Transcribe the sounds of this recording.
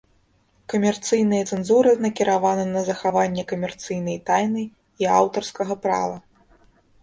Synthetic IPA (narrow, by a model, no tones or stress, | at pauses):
kɐmʲɛrt̪sɨjn̪ɨjɐt̪sɛnzuɾɨnɐkʲiɾavanɨnɐzɐxavanʲːɛkɐmʲɛrt̪sɨjn̪ɐjt̪ajnɨ | iawt̪ɐrskɐɣɐpɾa̰vɐ